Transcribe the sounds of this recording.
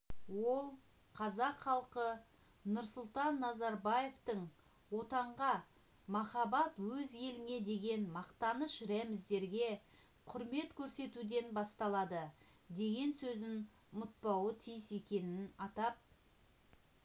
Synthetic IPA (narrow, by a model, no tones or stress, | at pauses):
wo̞lˠ | qʰɑzɑqχɑlˠqə | nʊɾsʊlˠt̪ɑnːɑzɑɾbɑje̞ft̪əɴ | wo̞t̪ɑɴʁɑ | mɑχɑbɑt̪wɵzje̞lɪŋe̞d̪e̞ɡʲe̞nmɑqt̪ɑnəʃɾæmɪzd̪e̞ɾɡʲe̞ | qʰʊɾme̞t̪kʲʰɵɾse̞t̪ud̪e̞nbɑst̪ɑlˠɑd̪ə | d̪e̞ɡʲe̞nsɵzɪn | mʊt̪̚pɑwət̪ʰijse̞kʲe̞nɪnɑt̪ɑp̚